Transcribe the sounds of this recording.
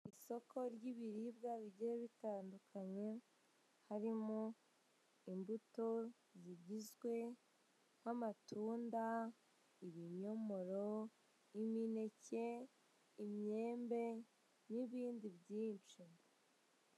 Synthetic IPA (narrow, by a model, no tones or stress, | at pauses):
iso̞kʰo̞ɾɟiβiɾib̚ɡaβiɟiɾeβitaːndukʰaɲe̞ | haɾimo | imbuto̞ | ziɟizɡwe̞ | hamatuːnda | iɾiɲɲo̞mo̞ɾo̞ | imine̞ce̞ | imɲe̞ːmbe̞ | niβiːndibɟiːnt͡ʃi